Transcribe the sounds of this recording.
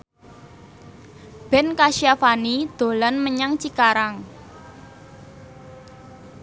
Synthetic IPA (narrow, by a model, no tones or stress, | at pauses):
b̥ɛ̤nkaʃiafanid̪̥o̤lanməɲaŋt͡ʃikaɾaŋ